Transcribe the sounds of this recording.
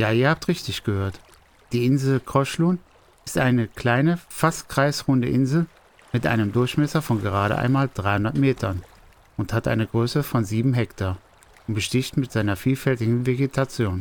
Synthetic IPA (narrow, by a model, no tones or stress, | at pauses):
jaːiːɐhaːp̚tʁɪçtɪçɡ̥əhøːɐt | d̥iːɪnzl̩kʁ̥ɔʃluːn | ɪstʔaɪnəkl̥aɪnəfastkʁ̥aɪsʁʊndə̰ʔɪnzl̩ | mɪtʔa̰ɪnəmdʊɐçmɛsɐfɔnɡəʁ̞aːɾəʔa̰ɪnmaːldʁaɪhʊndɐtmeːtʰɐn | ʊnthatʔa̰ɪnəɡʁøːsəfɔnziːbm̩ɦɛktʰaː | ʊnb̥əʃtɪçtmɪtz̥aɪnɐfiːlfɛltɪɡŋ̩veɡetʰat͡sjoːn